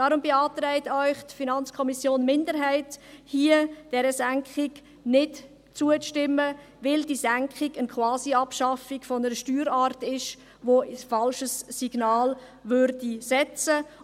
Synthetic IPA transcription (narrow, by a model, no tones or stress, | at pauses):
d̥ɑːɾʊmbɪɑːtɾɛɪtœʏχtfinɑnt͡skʰɔmisjoːnmɪndəɾɦæɪthiəd̥ɛɾəsæŋkχɪɡ | nɪt | t͡suət͡sʃtɪmːə | ʋɪldizæŋkχɪɡənkχwɑːsiɑpʃɑfiɡfɔnəɾəʃtyːɾɑːɾtɪʃ | ʋosfɑlʃəsːiɡ̥nɑːl | ʋøɾdisɛt͡sə